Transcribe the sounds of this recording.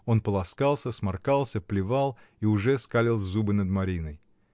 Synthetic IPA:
o̞npəlˠɐskalˠsʲəsmɐrkalˠsʲəplʲɪvɑlˠ | iʊʐɛskalʲɪlˠzzubɨnəd̪mɐɾʲinəj

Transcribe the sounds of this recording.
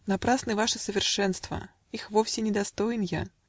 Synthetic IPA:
napɾasnɨvaʂɐsɐvʲɛrʂɛnst̪vɐ̰ | ixvɔwsʲɛnʲɛd̪ast̪ɔjnja̰

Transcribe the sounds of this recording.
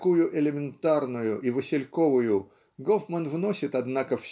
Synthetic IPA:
kujʊʔɪlʲɪmʲɪnt̪arnʊjʊʔivəsʲɪlʲko̞vʊjʊ | ɡofmənvno̞sʲɪt̪ɐd̪nakəfsʲ

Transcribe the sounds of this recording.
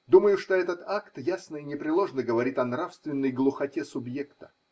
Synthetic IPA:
d̪uməjʊʂt̪o̞ɛt̪ət̪akt̪jasnəɪnʲɪpɾʲɪlˠo̞ʐnəɡəvɐɾʲit̪ɐnɾafst̪vʲɪnːəjɡlˠʊxɐtʲesʊbjekt̪ə̥

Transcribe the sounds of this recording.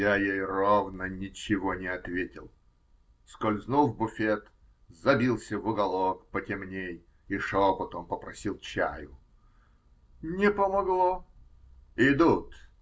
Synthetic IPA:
jajejrovnənʲɪt͡ɕɪvonʲɪɐt̪vʲetʲɪlˠ | skolʲznulˠvbʊfʲet̪ | zɐbʲilˠsʲəvʊɡɐlˠokpətʲɪmnʲej | iʂopɐt̪ompəpɾɐsʲilˠt͡ɕæ̰jʊ | nʲɪpəmɐɡlˠo | ɪd̪ut̪

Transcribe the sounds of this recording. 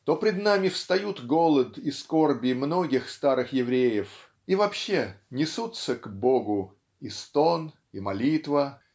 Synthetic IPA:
t̪o̞pɾʲɪd̪namʲɪfst̪ɐjut̪ɡolˠət̪isko̞rbʲɪmno̞ɡʲɪxst̪aɾɨxjɪvɾʲejɪf | ivɐpɕːe̞nʲɪsut̪səɡboɡʊ | ist̪on | imɐlʲit̪və

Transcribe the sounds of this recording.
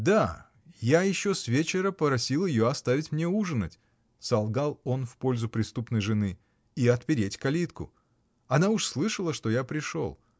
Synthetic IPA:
d̪a | jajɪɕːosvʲet͡ɕɪɾəpəpɾɐsʲilˠəjɪjoɐst̪avʲɪtʲmnʲe̞uʐɨnətʲ | sɐlˠɡalˠo̞nfpo̞lʲzʊpɾʲɪst̪upnəjʐɨnɨ | iɐt̪pʲɪɾʲetʲkɐlʲit̪kʊ̰ | ɐnaʊʂslˠɨʂəlˠəʂt̪o̞japɾʲɪʂo̞̰lˠ

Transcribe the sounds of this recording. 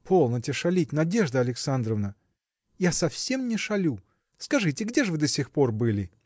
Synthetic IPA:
pʰolˠnətʲɪʂɐlʲit̚ʲnɐdʲe̞ʐd̪əɐlʲɪksand̪ɾəvnə | jasɐfsʲe̞mnʲɪʂɐlʲu | skɐʐɨtʲɪɡdʲeʐɨvɨd̪əsʲɪxpo̞rbɨlʲɪ

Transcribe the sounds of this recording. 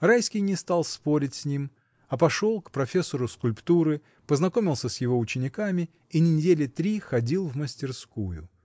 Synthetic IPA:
rajskʲɪjnʲɪst̪alˠspo̞ɾʲɪtʲsʲnʲim | ɐpɐʂo̞lˠkpɾɐfʲesːəɾʊskʊlʲpt̪uɾɨ | pəznɐko̞mʲɪlˠsʲəsʲjɪvo̞ʊt͡ɕɪnʲɪkamʲɪ | inənʲɪdʲelʲɪt̪ɾʲixɐdʲilˠvməsʲtʲɪrskujʊ̰

